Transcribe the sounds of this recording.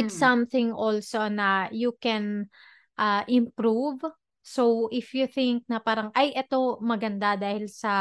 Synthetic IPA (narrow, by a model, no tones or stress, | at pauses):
ɪt̪sɐmθɪ̃ŋʔolsonɐjukɛn | ʔɐʔɪ̃mpɾuv | sowʔɪfjuθɪ̃ŋk̚nɐpaːɾɐŋʔɐjʔɛt̪o̞mɐɡɐnd̪ad̪aːhɪlsɐ